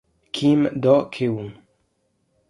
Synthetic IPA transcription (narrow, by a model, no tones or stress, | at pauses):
kʰimd̪ɔʔkʰewuŋ